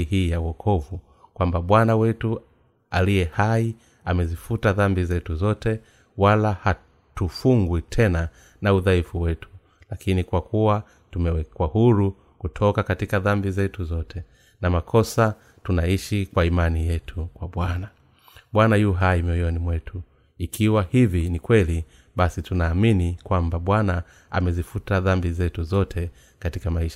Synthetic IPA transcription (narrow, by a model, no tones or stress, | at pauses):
iɦiːjawɔkʰɔvu | kwambaɓwanawɛtu | alijɛhai | amɛzifutaðambizɛtuzɔtɛ | walaha | tufuŋɡwitʰɛna | nauðaifuwɛtu̥ | lakinikwakuwa | tumɛwɛkwahuɾu | kutʰɔkakatikaðambizɛtuzɔtʰɛ | namakʰɔsa | tunaiʃikwaimanijɛtʰukwaɓwana | ɓwanajuɦaimjɔjɔnimwɛtʰu | ikʰiwahivinikwɛli | ɓasitunaːminikwambaɓwana | a̰mɛzifutaðambizɛtuzɔtʰɛ | katikamaiʃa